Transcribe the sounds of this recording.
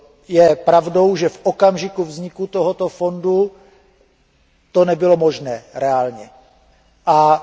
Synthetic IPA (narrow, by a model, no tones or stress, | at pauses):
jɛpɾavdo̞wʒɛfʔokamʒɪkuvzɲɪkut̪oɦot̪ofo̞ndu | t̪o̞nɛbɪlo̞mo̞ʒnɛːɾɛaːlɲɛ | ʔa